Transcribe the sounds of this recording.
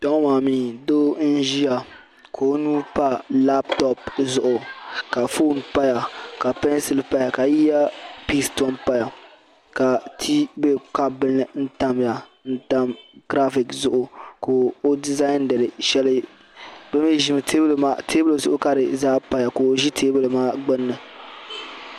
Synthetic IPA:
d̥ɔ˦maː˨miː˦do˦n̩˦ʒi˦ja˨ | kʰo˨˦nuː˦pa˦la˦ptɔ˦pzʊ˨ʔʊ˨ka˨foː˦˨n˦pa˦ja˨ka˨pɛ˦n˦sɪ˦lpa˦ja˨ka˨ji˦a˦pi˦stɔ˦npa˦ja˨ | ka˨tʰi˦be˦ka˦bɨ˦nɨ˨n̩˦ta˦mja˨n̩˦ta˦mɡɾa˦fi˨kzʊ˦ʔʊ˨ko˨o˦di˦za˦i˦n˦dɨ˨ɾɨ˨ʃɛ˦lɨ˦ | bɛ˦mi˦ʒi˦mɨ˨tʰe˦bɨ˦lma˦tʰe˦blo˨zʊ˦ʔʊ˦ka˦ɾɨ˨zaː˦pa˦ja˨koː˨ʒi˦tʰeː˦bɨ˦lɨ˨maː˦ɡ͡bɨ˦nːɨ˨

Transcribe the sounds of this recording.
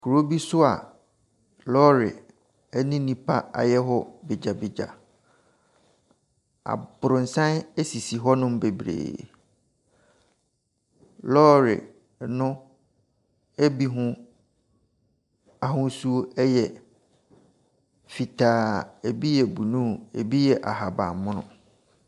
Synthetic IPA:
kʰu˨ɾo˦bi˦sʊ˦a̰˨ | lɔ˦ɾɪ̰˨ | ɛ˦nɪ̃˦nĩ˦pʰa˦a̰˨jɛ˦ɦɔ˦bɪ˨d͡ʑa˨bɪ˨d͡ʑa̰˨ | a̰˨bʊ˨ɾʊ̃˨n̩˨sã˦nɛ˦si˨si˨ɦɔ˦nʊ̃˦m˦be˨bɾḛː˨ | lɔː˦ɾɪ̰˨ | nʊ̃˦ | ɛ˦bi˦ɦʊ̃˦ | a˨ɦʊ̃˦su˦o˦ɛ˦jɛ˨ | fi˨tʰaː˨e˨bi˦jɛ˨bu˨nũ˦e˨bi˦jɛ˨ʔa˨ɦa˨ba̰˨mʊ̃˦nʊ̰̃˨

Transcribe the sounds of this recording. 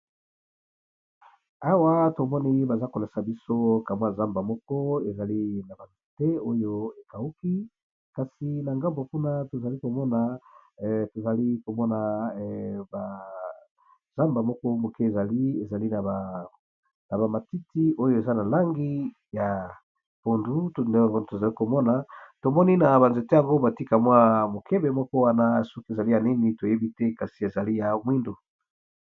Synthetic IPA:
a˦wa˦to˨mɔ˦ne˦˨je˦ba˨za˦ko˨la˨sa˨bi˦so˦ka˨mwa˦˨za˦mba˨mɔ˦kɔ˦e˨za˨li˦na˨ba˨ntu˨te˦o˦jo˦e˨ka˨u˦ki˦ | ka˨si˨na˨ŋɡa˦mbo˨ku˦na˦to˨za˨li˦ko˨mɔ˦na˨ | to˨za˨li˦ko˨mɔ˦na˨ | ba˨ | z̥a˦mba˨mɔ˦kɔ˦mo˨ke˦e˨za˨li˦e˨za˨li˦na˨a˨ | na˨ba˨ma˨ti˦ti˦o˦jo˦e˨za˦na˨la˦ŋɡi˦ | ja˨ | po˨ndu˦tnde˦˨a˨ŋɡo˦˨to˨za˨li˦ko˨mɔ˦na˨to˨mɔ˦ni˦na˨βa˨nze˨te˦ja˨ŋɡo˦ba˨ti˦ka˨mwa˦mo˨kʰe˦be˨mɔ˦kɔ˦wa˦na˦˨sɔ˦ke˨za˨li˦ja˨ni˦ni˨to˨je˦bi˦te˦ka˨si˨e˨za˨li˦ja˨mwi˦ndo˨

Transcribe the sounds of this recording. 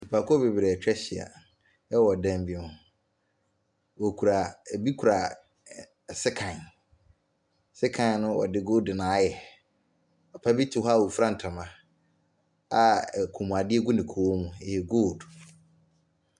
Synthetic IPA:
i˨pʰa˨kʰɔ˦be˨bɾɛ˨t͡ɕᶣɛ˦ɕɪ˨a̰˨ | ɛ˦wɔ˨dɛ̃˦m˦bi˦mʊ̃˨ | wɔ˨kʰu˨ɾa˨bi˦kʰu˨ɾa˨ | sɪ˦kʰã˨n | sɪ˦kʰã˨n˦nʊ̃˦wɔ̰˨dɪ˦ɡoː˦dɪ˨nãː˨˦jɛ˨ | ɔ˨pʰa˦bi˦tʰi˨ɦa˦˨wo˨fɾã˦n̩˨tʰa˨mã˨ | a˦˨kʰo˨mũ˨a˨dɪ˦ɛ˦ɡʊ˦nɪ̃˨kʰo˨wo˦mũ˨jɛ˨ɡo˦˨d

